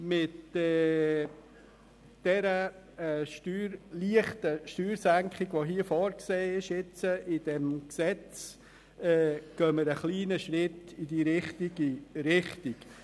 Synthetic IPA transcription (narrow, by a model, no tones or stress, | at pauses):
mɪtːɛ | d̥ɛɾə | ɛʃtyːɾliəχtəʃtyːɾsæŋkχɪɡʋoɦiəfɔːɾkseːɪʃɪt͡səʔɪd̥ɛmksɛt͡s | ɛːɡ̥œməɾəχliːnəʃɾɪtɪdiɾɪχtiɡiɾɪχtɪk